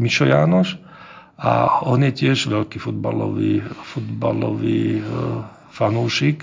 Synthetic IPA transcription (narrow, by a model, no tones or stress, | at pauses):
miʃɔjaːnɔʃ | a̰ɔnjɛcɪɛʒʋɛlkiːfud̪̚balɔ̰ʋiːfud̪balɔ̰ʋiː | fanuːʃik